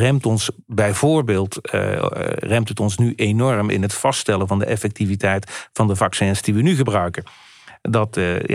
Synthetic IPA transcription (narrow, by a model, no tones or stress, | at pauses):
rɛmtɔns | bɛjvʊːɹbeːlˠt | rɛmtətɔnsnyʔenɔɹmɪ̰nɦətfɑstɛləvɑndə̰ʔɛfɛk̚tivitɛjtfɑndəvɑksɛnsd̥iʋənyɣəbrœɥkə | dɑt